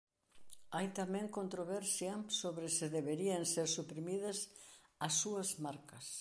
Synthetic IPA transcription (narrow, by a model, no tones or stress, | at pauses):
ajt̪amɛ̃ŋkont̪ɾoβɛɾsjɐsoβɾɪsɪðeβeɾiɐŋseɾsupɾimiðɐsɐsːuɐzmaɾkɐs